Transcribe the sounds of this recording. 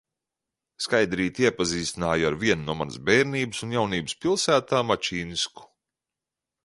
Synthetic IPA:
skajd̪ɾiːt̪iɛpaziːst̪inaːjaɾviɛnnuɔma̰n̰sbɛːɾniːbɨsunjawniːbɨspilˠsæːt̪aːmat͡ʃiːnisku̥

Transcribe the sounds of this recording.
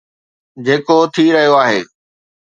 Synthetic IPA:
d͡ʑeːkot̪ʰiɾɐɦijoaːɦeː

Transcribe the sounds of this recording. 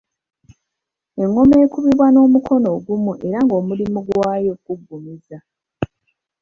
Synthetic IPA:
e̞ŋːo̞me̞ːkuβiβwano̞ːmukʰo̞no̞ːɡumuʔe̞ɾaŋɡo̞ːmulimuɡwaːjo̞k̚uɡːumiza

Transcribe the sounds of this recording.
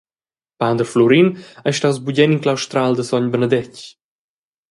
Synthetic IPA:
pand̪əɾflɔɾinajʃtawzbuɟɛniŋklawʃt̪ɾald̪əsɔɲbənəd̪ɛc

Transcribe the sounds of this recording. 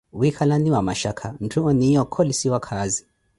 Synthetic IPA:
wikʰalaniwamaʃakʰam̩tʰuɔniijɔkʰɔlisiwakʰazi

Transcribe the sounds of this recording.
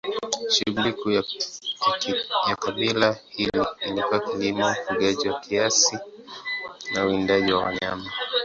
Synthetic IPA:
ʃiliku | jakaɓilahiliːlikuwakilimaufuɠaʄiwakʰiasi | nauindaʄiwawa̰ɲama

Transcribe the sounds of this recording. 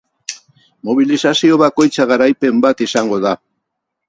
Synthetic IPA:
mo̞β̞ilisasio̞βako̞jt͡saɣaɾajpe̞mbat̪isaŋɡo̞ða

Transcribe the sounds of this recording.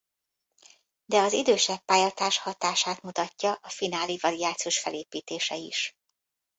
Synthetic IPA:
d̪ɛɒzid̪øːʃɛpːaːjɒt̪aːʃhɒt̪aːʃaːt̪mut̪ɒcːɒʔɒfinaːlivɒɾiaːt̪sioːʃfɛleːpiːt̪eːʃɛḭʃ

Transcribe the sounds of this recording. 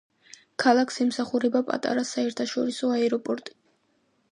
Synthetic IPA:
kʰalˠakʰsɛmsaχuɾɛbapʼa̰t̪ʼa̰ɾasaɛɾt̪ʰaʃɔɾisɔaɛɾɔpʼɔɾt̪ʼi̥

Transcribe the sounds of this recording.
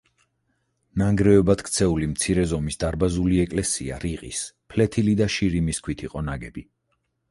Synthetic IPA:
naŋɡɾɛɔbat̪kʰt̪sʰɛulimt̪sʰiɾɛzɔmisd̪aɾbazuliɛkʼlɛsia̰ɾiqʼḭspʰlɛt̪ʰilid̪aʃiɾimiskʰwit̪ʰiqʼɔnaɡɛbi

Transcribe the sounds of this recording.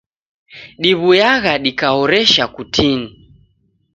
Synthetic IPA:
ɗiβujaɣaɗikahɔɾɛʃakutʰini

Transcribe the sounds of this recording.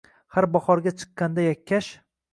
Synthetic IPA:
haɾbɒχɒɾɡʲat͡ʃʰɨ̥qːɑnd̪ajakʲʰːaʃ

